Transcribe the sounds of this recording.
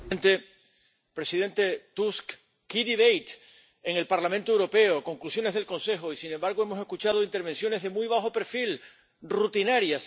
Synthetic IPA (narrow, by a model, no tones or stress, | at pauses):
nt̪e̞ | pɾe̞siðe̞nt̪e̞t̪usk | kiðiβejt̪ | eŋe̞lpaɾlamẽnt̪oewɾo̞pe̞oko̞ŋklusjo̞ne̞zðelkõ̞nse̞xoisine̞mbaɾɣoe̞mo̞se̞skut͡ʃað̞oint̪e̞ɾβe̞nsjo̞ne̞zðe̞mujβ̞axo̞pe̞ɾfil | rut̪inaɾjas